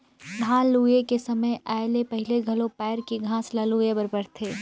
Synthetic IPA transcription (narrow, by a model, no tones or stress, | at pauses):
ɡʱãːluːjekesɐməjɛːlepɐɦɪleɡʱɐlopɛːɾkiɡʱãːslaluːjebɐɾbɐɾt̪ʰeː